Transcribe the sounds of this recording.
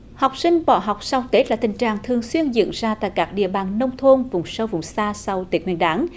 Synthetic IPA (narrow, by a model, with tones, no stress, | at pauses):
ha˨˩wk͡p̚sï˧ŋ̟ɓɔ̰˧˩ɦa˨˩wk͡p̚sa˧wt̪e˦˥t̚laː˨˩t̪ï˨˩ŋ̟t͡ɕaː˨˩ŋt̪ʰɨ˨˩əŋswi˧ənzɨ̰˧ənzaː˧t̪a̰ː˧˨jkaː˦˥k̚ɗḭ˧˨əɓaː˨˩nːə˧wŋ͡mt̪ʰo˧nvʊ̰˨˧˩ŋ͡msə˧wvʊ̰˨˧˩ŋ͡msaː˧sa˧wt̪i˨˦ək̚wḭ˧˩ənɗaː˨˦n